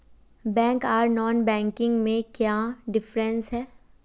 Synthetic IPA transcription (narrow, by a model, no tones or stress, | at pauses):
bɛ̃ːŋkaːɾnɔːnbɛ̃ːŋkɪ̃ŋɡmẽkjaɖɪfɾɛ̃nsɦɛː